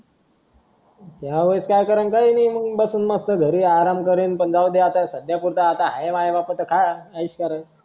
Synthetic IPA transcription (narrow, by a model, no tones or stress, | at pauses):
t̪jaʋəskajkəɾənkainiməɡbəsuːnməst̪əɡʱəɾiːaɾamkəɾiːnpənd͡zawd̪eat̪asəd̪japuɾt̪aːt̪aɦaeʋajeʋapət̪əkʰajəiɕkəɾə